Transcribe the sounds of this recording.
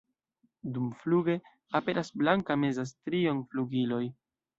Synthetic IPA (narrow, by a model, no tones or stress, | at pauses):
dumfluɡe̞ | ape̞ɾʔasblaŋkame̞zas̬tɾionfluɡilo̞j